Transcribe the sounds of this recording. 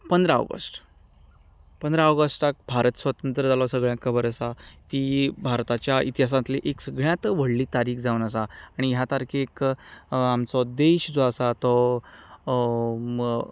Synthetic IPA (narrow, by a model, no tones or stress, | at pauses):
pənd̪ɾao̰ɡə̰sʈ | pənd̪ɾaoɡəsʈak̚bʱaɾət̪sʋət̪ənt̪ɾəd͡zalɔsəɡɭjãkʰəbəɾəsat̪iːbʱaɾt̪at͡ɕjait̪iɦas̬ãt̪leʔeksəɡɭjãt̪ʋəɽliːt̪aɾiːkd͡zaunəsaːɽ̃iɦjat̪aɾkʰek | amt͡sɔd̪eɕd͡zɔəsat̪ɔ